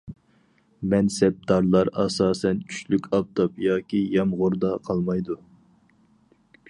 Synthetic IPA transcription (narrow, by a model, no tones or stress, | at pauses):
mɛnsɛp̚d̪ɑɾlˠɑɾɑsɑːsɛnt͡ʃʰy̥ʃlykʲɑp̚t̪ʰɑpjɑːkʲijɑmʁʊɾd̪ɑqʰɑlˠmɑjd̪u